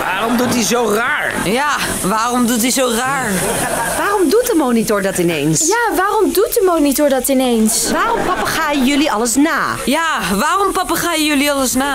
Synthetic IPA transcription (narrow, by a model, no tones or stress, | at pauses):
ʋa̰ːrɔmdutizowraːɹ | jaː | ʋaːrɔmdutɦizowraːɹ | ʋaːrɔmdut̚dəmownitʊɹdɑtɪnḛjnsjaːʋaːrɔmdut̚dəmownitʊɹdɑtɪnejnsʋaːrɔmpɑpaχaːjəjɵliɑləsnaːjaːʋaːrɔmpɑpaːχaːjəjɵliɑləsnaː